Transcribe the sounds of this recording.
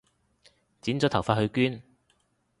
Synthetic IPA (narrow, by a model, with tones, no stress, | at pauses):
t͡siː˨˥nt͡sɔː˨˥t̪ʰɐ˨˩wfaː˧t̚hɵ˧kyː˥n